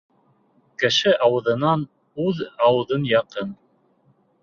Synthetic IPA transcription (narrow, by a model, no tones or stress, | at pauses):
kɘ̆ʃɘʔɑwɤ̆ðɤ̆nɑn | ʉðɑwɤ̆ðɤnjɑqɤn